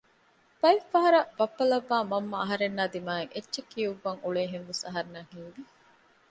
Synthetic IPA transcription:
b̥ɐifːɐɦɐɾɐbɐpːɐlɐʋːaːmɐmːɐɐɦɐɾenːaːd̪imaːeŋetːʃekijuʋːɐŋuɭeːɦenʋesɐɦɐɾnaːhiŋʋi

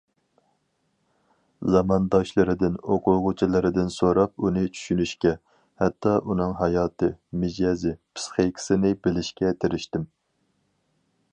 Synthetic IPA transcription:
zɑmɑnd̪ɑʃlˠɨɾɪd̪ɪnoqʰʊʁʊt͡ʃʰilˠɨɾɪd̪ɪnsoɾɑp̚unɨt͡ʃʰy̥ʃynyʃkʲɛ | hɛt̪ʰːɑʔunɨŋɦɑjɑːt̪ʰɨmɪd͡ʒɑzɪpʰɨ̥sχekʲʰɪ̥sɪnɪbɪlɪʃkʲɛt̪ʰeɾɪʃt̪ɪm

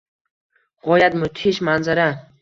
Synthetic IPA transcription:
ʁɒjat̪mʊt̪ʰiʃmanzaɾa

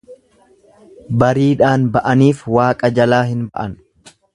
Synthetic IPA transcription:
bɐɾiːᶑaːnbɐʔɐniːfwaːkʼɐd͡ʒɐlaːɦɪnbɐʔɐn

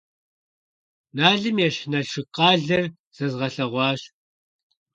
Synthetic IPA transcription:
naːɮɨmjɛɕnɐɬʂɨqʼɑːɮɐr | z̥ɐzʁɐɬɐʁʷɑːɕ

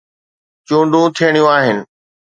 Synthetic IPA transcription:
t͡ɕũːɳɖʱũt̪ʰijəɽ̃ijũaːɦɪnɪ̆

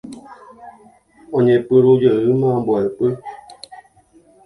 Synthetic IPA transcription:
õɲẽpɨɾud͡ʒəɨmãmboapɨ

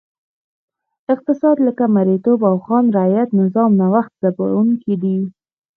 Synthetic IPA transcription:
ɪq̚t̪ɪsɑd̪ləkamaɾet̪obawxɑnɾajat̪nɪzɑmnawaxt̪̚z̥aba̰uŋkid̪i

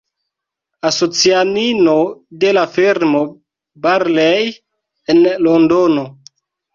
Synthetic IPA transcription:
aso̞t͡sianinode̞lafiɾmo | baɾlej | enlondono

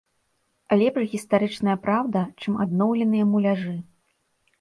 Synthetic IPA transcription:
lʲɛpʂɣʲist̪aɾɨt͡ʂnɐjɐpɾawd̪ɐt͡ʂɨmad̪nɔwlʲɛnɨjɐmulʲaʐɨ

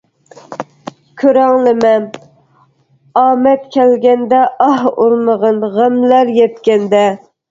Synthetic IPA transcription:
kʲʰøɾæŋlɪmɛn | ɑːmɛt̪kʲʰɛlɡʲɛnd̪ɛʔɑhuɾməʁɑnʁəmlæɾjɛt̪kʲɛnd̪ɛ

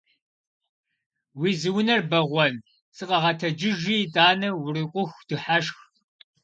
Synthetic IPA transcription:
wiːzɨwʊnɐrbɐʁʷɔn | sɨqʼɐʁɐtʰɐd͡ʒɪʒiːtʼaːnɐwʊriqʷʼʊxʷd̥ɨħaʂx

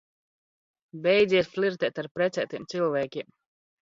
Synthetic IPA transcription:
bɛjd̪ziɛsflʲiɾt̪ɛːt̪aɾpɾɛt̪sʲɛːt̪iɛmt̪silˠvæːkʲiɛm

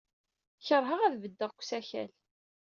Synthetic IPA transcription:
çəɾˤɦəʁæðvəd̪ːəʁkʷsæçæ̰l

